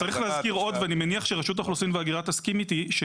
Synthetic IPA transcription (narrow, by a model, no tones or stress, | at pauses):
t͡saʁiχlehazkiʁo̞d̪veanimeniaχʃeʁaʃut̪̬aχlusimveaɡiʁat̪askimit̪iʃ